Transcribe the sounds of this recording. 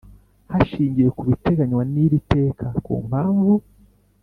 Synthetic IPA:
haʃiːɲɟije̞kuβite̞ɡaɲwaniɾite̞ːkʰakṵːm̥haːɱvu

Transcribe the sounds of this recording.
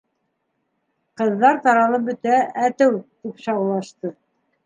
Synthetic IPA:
qɤ̆ðːɑɾt̪ɑɾɑlˠɤbɵ̆t̪ææt̪ɘwt̪ipʃɑwlˠɑʃt̪ɤ

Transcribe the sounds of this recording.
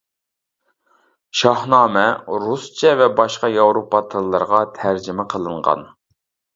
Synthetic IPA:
ʃɑhnɑːmɛɾust͡ʃʰɛvɛbɑʃqɑjɑwɾopɑt̪ʰɨlˠːəɾʁɑt̪ʰæɾd͡ʒɪmɪqʰəlˠɨɴʁɑ̰n

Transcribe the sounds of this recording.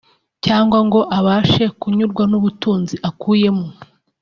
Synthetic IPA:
caːŋɡwaŋɡo̞ʔaβaːʃe̞kuɲuɾɡwanuβutuːnziʔakʰuːje̞mu

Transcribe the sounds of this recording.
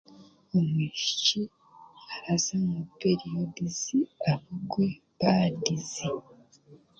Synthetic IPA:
omiʃici | aazamupeɾiodiziaβuɡwe | βadizi

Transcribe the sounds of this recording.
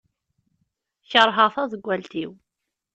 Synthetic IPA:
çəɾˤɦəʁθɑðəɡʷːælt̪iw

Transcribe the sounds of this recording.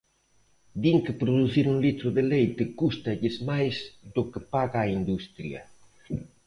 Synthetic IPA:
d̪iŋkɪpɾoðuθiɾuŋlit̪ɾʊðɪlejt̪ɪkust̪ɐʎɪzmajzd̪ʊkɪpaɣaːind̪ust̪ɾjɐ̰

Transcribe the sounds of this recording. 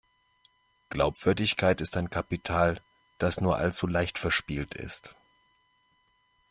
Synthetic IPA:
ɡ̥laʊpv̥ʏɐdɪçkʰaɪtɪstaɪnkʰapitʰaːl | d̥asnuːɐʔa̰lt͡sulaɪçtfɛɐʃpiːltʰɪ̰st

